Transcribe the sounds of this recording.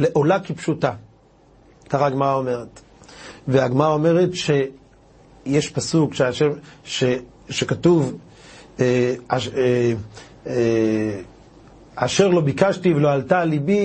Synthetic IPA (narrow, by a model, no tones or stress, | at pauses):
leʔo̞lakipʃuta | kaʁaɡmaʁao̞me̞ʁet | veaɡmaʁao̞me̞ʁetʃe̞ | jeʃpasukʃeaʃeʃe | ʃekatuv | ea | aʃe̞ʁlo̞bikaʃtiveloaltalibi